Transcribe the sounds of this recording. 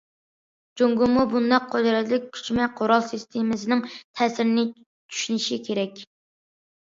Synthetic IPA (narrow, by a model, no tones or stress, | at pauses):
d͡ʒoŋɡumubund̪ɑqʰːod̪ɾɛt̪lɪk̚ʲkʲʰy̥t͡ʃmɛqʰoɾɑlˠsist̪ʰemɪsɪnɪŋt̪ʰɛːsɪɾɪnɪ | t͡ʃʰy̥ʃynɪʃikʲʰeɾɛkʲ